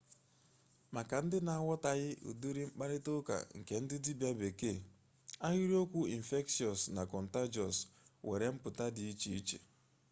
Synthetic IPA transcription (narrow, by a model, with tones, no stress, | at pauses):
ma˨ka˨n̩˦dɪ˦na˨a˨wɔ˦ta˨ɣɪ˦ʔṵ˨du˦ɾi˦ŋ͡m̩˦k͡pa˦ɾɪ˦tʊ˦ka̰˨ŋ̩˨ke˨n̩˦dɪ˦di˦bja˦be˨ke˦˨ | a˦ɣi˦ɾi˦o˦kʷu˦i˨n̩˨fe˦ksi˨ɔ˨sna˨kɔ˨n̩˨ta˦d͡ʒɔ˨swḛ˨ɾe˨m̩˦pʊ˨ta˦dɪ˨i˦t͡ʃi˨˦i˦t͡ʃḛ˨